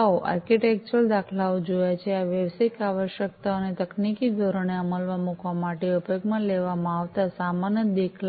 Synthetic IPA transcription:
oʔa̰ɾkiʈɛk̚t͡ʃɾəld̪akʰlaod͡ʒojat͡ʃʰeaʋjəʋsikaʋəʃjək̚t̪aonet̪əknikid̪ʱoɾoneəməlʋamukʋamaʈeəpjoɡmãleʋamãaʋt̪asamanjəd̪ekʰl

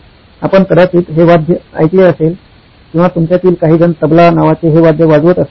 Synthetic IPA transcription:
apəɳkəɾat̪iːt̪ɦeʋad̪ʱjəa̰jkleəsel | kĩw̃ʋat̪umt͡ɕjat̪iːlkaɦiːd͡zənt̪əblanaʋat͡seɦeʋad̪ʱjəʋad͡zʋət̪əse

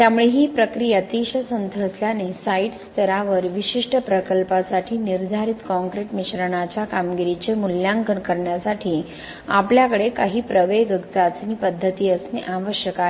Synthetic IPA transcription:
t̪jamuɭeɦiːpɾəkɾijat̪iɕəsənt̪ʰəsljanaisaiʈst̪ʰəɾaʋəɾʋiɕiʂʈəpɾəkəlpasaʈʰiːniɾd̪ʱaɾiːt̪kɔ̃ŋkɾeʈmiɕɾəɳ̃at͡ɕjakamɡiɾit͡ɕemuljãŋkəɳkəɾɳjasaʈʰiː | apljakəɽekaɦiːpɾəʋeɡəkt͡sat͡sniːpəd̪ʱːət̪iːəsneʔaʋəɕjəkaɦe

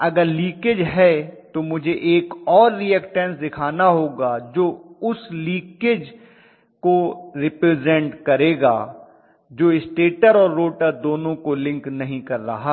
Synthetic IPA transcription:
ɐɡəɾlĩːkɪd͡ʒɦɛt̪omʊd͡ʒʱeʔeːkɔːɾːiːɛkʈɛ̃ːnsd̪ɪkʰaːnaɦoːɡad͡ʒoːʊslĩːkɪd͡ʒ | koɾɪpɾɪzɛ̃ɳʈkɐɾeːɡa̰ː | d͡ʒoːɪsʈeːʈəɾɔːɾːoːʈəɾd̪oːnõkolɪ̃ŋknɐɦĩkɐɾːɐ̰ɦa

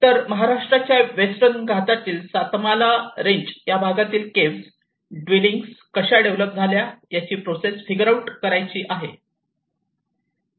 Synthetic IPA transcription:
t̪əɾməɦaɾaʂʈɾat͡ɕjaʋesʈəɾnɡʱat̪at̪iːlsat̪malaɾeɲd͡ʑjabʱaɡat̪iːlkems | ɖʋiliŋɡskəɕaɖeʋləp̚d͡zʱaljajat͡ɕiːpɾosesfiɡəɾauʈkəɾajt͡ɕiːʔaɦe

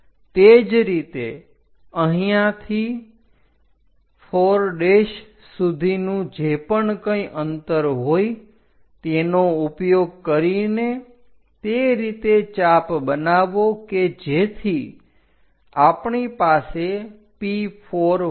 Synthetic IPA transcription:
t̪ed͡ʒɾit̪e | əɦijãt̪ʰi | pʰoɾɖeʃ | sud̪ʱinũd͡ʒepəɳkə̃ĩʔənt̪əɾɦoi | t̪enoupjoɡ̚kəɾine | t̪eɾit̪et͡ʃapbənaʋoked͡ʒet̪ʰi | apɳipase | pipʰoɾ

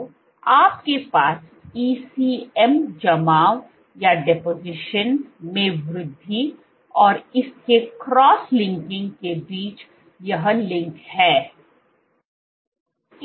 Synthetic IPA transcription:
aːpkepaːs | iːsiɛmd͡ʒɐmaːʋ | jaɖɛpoːzɪʃənmẽʋɾɪd̪ʱːi | ɔːɾɪskekɾɔːslɪ̃ŋkɪ̃ŋɡ̚kebiːt͡ʃ | jɐɦlɪ̃ŋkɦɛː

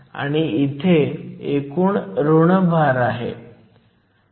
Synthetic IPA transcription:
a̰ɽ̃iit̪ʰeekuːɳɾoɳəbʱaɾaɦḛ

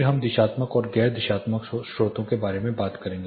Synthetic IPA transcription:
ɾɦɐmd̪ɪʃaːt̪məkɔːɾɡɛːɾd̪ɪʃaːt̪məkʃɾoːɾt̪õkebaːɾemẽbaːt̪kɐɾẽːŋɡe

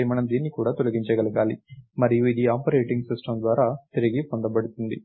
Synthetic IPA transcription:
jmɐɳɐmd̪iːnːikuːɽaːt̪olɐɡiɲt͡ʃɐɡɐlɐɡaːlḭmɐɾijuid̪iaːpɐɾeːʈiŋɡsisʈʰɐmd̪ʋaːɾaːt̪iɾiɡipond̪ɐbɐɽut̪und̪ḭ

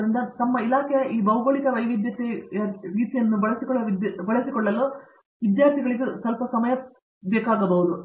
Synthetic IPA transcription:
unɖ̪ɐnɐmːɐilaːkːɐjɐʔiːbɐwbɐɭiɣɐʋɐjʋid̪jɐt̪ːeɾiːt̪ʰːijenːubɐɭɐsikːoɭːɐʋd̪ʋɐɭɐsikːoɭːɐlɐ | ʋid̪jaːrt̪ʰiɣɐɭikʲːɨsɐlpɐsɐmɐjɐ | ʋjekːaːɣɐboːulːu

